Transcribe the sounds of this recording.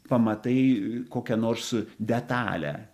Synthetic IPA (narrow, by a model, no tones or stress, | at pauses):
pɐmɐt̪ɐɪkoːkʲɛnoːɾsd̪ʲɛt̪ɑ̰ːlʲæ̰